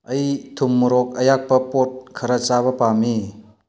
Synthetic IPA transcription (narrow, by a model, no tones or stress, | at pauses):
ɐjtʰumːuɾok̚ɐjak̚pɐpot̚kʰɐɾɐt͡ʃaβɐpami